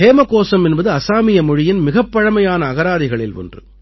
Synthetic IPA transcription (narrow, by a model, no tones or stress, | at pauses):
heːmɐkoːsɐmɛnbɐðɯɐsaːmɪjɐmɔɻɪjɪnmɪɣɐpːɐɻɐmɐjaːnɐːɣɐɾaːðɪɣɐɭɪlɔ̰ndrɯ̰